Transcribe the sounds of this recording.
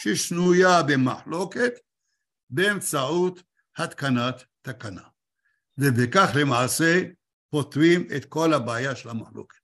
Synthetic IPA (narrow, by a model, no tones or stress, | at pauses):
ʃeʃnujabema̰ħlo̞ket̪ | beːmt͡saʕut̪ | hat̪kanat̪ːakana̰ | vebekaχlemaʕse | pot̪ʁimḛt̪ko̞lhabaajaʃelhamaħlo̰ke̥t̪